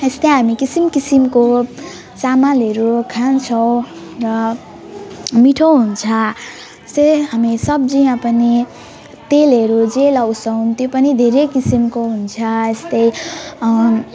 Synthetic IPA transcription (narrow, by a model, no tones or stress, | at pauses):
est̪ʌɦamikisimkisimko | samalɦʌɾukʰant͡sʰʌw̃ | rʌ | miʈʰʌwɦunt͡sʰʌ | est̪ʌɦamisʌb̚d͡ziãpʌni | t̪elɦʌɾud͡zelʌwsʰʌw̃t̪jopʌnid̪ʱeɾekisimkoɦunt͡sʰʌest̪ʌj